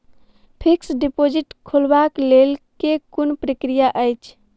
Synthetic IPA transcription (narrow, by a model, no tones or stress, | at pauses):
pʰiksɖipod͡ʒiʈkʰulbaklelkekunpɾəkɾijaʔəjt͡ʃʰ